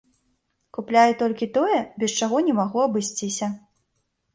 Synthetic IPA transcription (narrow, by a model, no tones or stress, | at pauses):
kuplʲajɛt̪ɔlʲkʲit̪ɔjɛbʲɛst͡ʂaɣɔnʲɛmaɣuɐbɨsʲt͡sʲisʲɐ